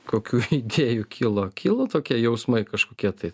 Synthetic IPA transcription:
koːkʲuːid̪ʲeːjukʲiːlˠoːkʲʰiːlˠoːt̪oːkʲiɛjɛʊsmɐɪkɐʃkoːkʲiɛt̪ɐɪ

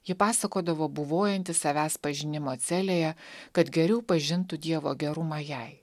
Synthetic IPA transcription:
jɪpɑːsɐkoːd̪ɐʋoːbʊʋoːjɛnʲt̪ʲɪssɐʋʲæːspɐʒʲɪnʲɪmoːt̪sʲæːlʲeːjɛkɐt̪ɡʲɛɾʲɛʊpɐʒʲɪnt̪ʊd̪ʲiɛʋo̰ːɡʲɛɾʊmɑjɛɪ

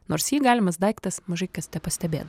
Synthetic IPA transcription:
noːɾsjiːɡɑːlʲɪmɐsd̪ɐɪkt̪ɐsmɐʒɐɪkɐst̪ʲɛpɐsʲt̪ʲɛbʲḛːt̪

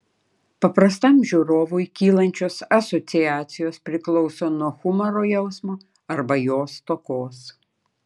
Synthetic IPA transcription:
pɐpɾɐst̪ɐmʒʲuːɾoːʋʊjkʲiːlˠɐnʲt͡ʃʲoːsɐsɔt̪sʲɪjæːt̪sʲɪjoːspʲɾʲɪklˠɔʊsoːnuɔxʊmɐɾoːjɛʊsmoː | ɐɾbɐjoːst̪okoːs

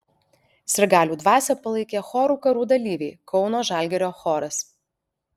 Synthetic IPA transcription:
sʲɪɾʲɡɑːlʲuːd̪ʋɑːsʲɛːpɐlˠɐɪkʲeːxɔːɾuːkɐɾuːd̪ɐlʲiːʋʲɛɪkɒʊnoːʒɑˑlʲɡʲɛɾʲoːxɔːɾɐs

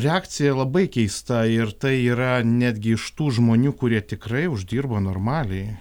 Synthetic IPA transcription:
ɾʲɛɑːkt̪sʲɪjɛlˠɐbɐɪkʲɛɪst̪ɐɪrt̪ɐɪiːɾɐnʲæːd̪ʲɡʲɪɪʃt̪uːʒmoːnʲuːkʊɾʲiɛt̪ʲɪkrɐɪʊʒʲd̪ʲiːrbɐnoːrmɑːlʲɛɪ

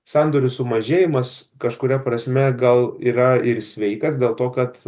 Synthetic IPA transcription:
sɑːnd̪oːɾʲʊsʊmɐʒʲeːjɪmɐskɐʃkʊɾʲɛpɾɐsʲmʲɛɡɐlˠiːɾɐɪɾsʲʋʲɛɪkɐs̬dʲeːlˠt̪oːkɐt̪

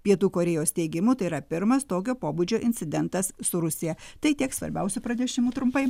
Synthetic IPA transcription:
pʲiɛt̪uːkoːɾʲɛjoːst̪ʲɛɪɡʲɪmʊt̪ɐɪɾɐpʲɪɾmɐst̪oːk̬ʲoːpoːbud͡ʒʲoːʔɪnʲsʲɪd̪ʲɛnt̪ɐssʊɾʊsʲɪjɛt̪ɐɪt̪ʲiɛksʋɐ̰ɾʲbʲɛʊsʲupɾɐnʲɛʃʲɪmuːt̪ɾʊmpɐɪ

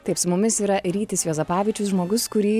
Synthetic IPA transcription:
t̪ɐɪpsʊmʊmʲɪsiːɾɐɾʲiːt̪ʲɪsjoːzɐpɑːʋʲiːt͡ʃʲʊsʒmoːɡʊskʊɾʲiː

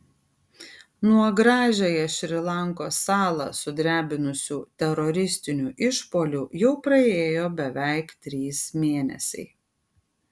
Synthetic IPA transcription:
nuɔɡɾɑːʒʲojɛʃʲɾʲɪlˠɐŋkoːsɑːlˠɐ̰sʊd̪ʲɾʲæːbʲɪnʊsʲuːt̪ʲɛɾɔɾʲɪsʲt̪ʲɪnʲuːʔɪʃpoːlʲuːjɛʊpɾɐeːjoːbʲɛʋʲæˑɪkt̪ʲɾʲiːsmʲeːnʲɛ̰sʲɛ̰ɪ

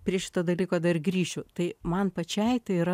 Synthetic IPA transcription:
pʲɾʲiɛʃʲɪ̥t̪oːd̪ɐlʲiːkoːd̪ɐrɡɾʲiːʃʲʊt̪ɐɪmɐnpɐt͡ʃʲɛɪt̪ɐɪiɾɐ

